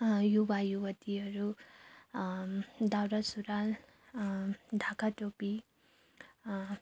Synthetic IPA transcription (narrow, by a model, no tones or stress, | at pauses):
jubajubʌt̪iʌɾu | d̪awɾasuɾal | d̪ʱakaʈopi